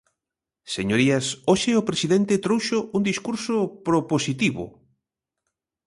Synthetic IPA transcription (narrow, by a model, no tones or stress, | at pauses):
seɲoɾiasoʃɪʊpɾesiðent̪et̪ɾowʃʊʔuŋd̪iskuɾsopɾoposit̪iβʊ̰